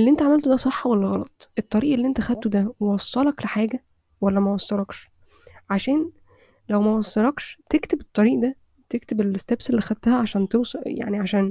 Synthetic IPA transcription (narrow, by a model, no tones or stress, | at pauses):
ʔelːiʔent̪æʕamælt̪od̪æsˤeħːwælːæɣɑlɑt̪ˤʔet̪ˤːɑɾiːʔelːiʔent̪æxæd̪̚t̪od̪æwewɑsˤːɑlɑkleħaːɡæ | wælːæmæwɑsˤːɑlɑkʃ | ʕaʃæːn | læwmæwɑsˤːɑlɑkʃt̪ekt̪ebet̪ˤːɑɾiːʔd̪æ | t̪ek̚t̪ebelest̪æbselːiːxæd̪̚t̪æhæʕaʃæːnt̪ewsˤja̰ʕniʕaʃæːn